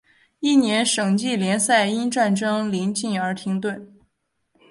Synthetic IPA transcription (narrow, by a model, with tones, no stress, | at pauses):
i˥˩njɛ˧˥nʂɤ˨˩ŋt͡ɕi˥˩ljɛ˧˥nsa˥˩ɪi˥nʈ͡ʂa˥˧nʈ͡ʂɤ˥ŋli˧˥nt͡ɕi˥˩ŋə˞˧˥t̪ʰi˧˥ŋt̪we˥˩ɪ